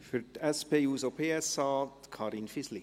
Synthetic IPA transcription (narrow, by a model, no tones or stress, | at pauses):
fʏɾtɛspʰeːuːsopʰeːɛsɑːkʰɑːɾɪnfɪsli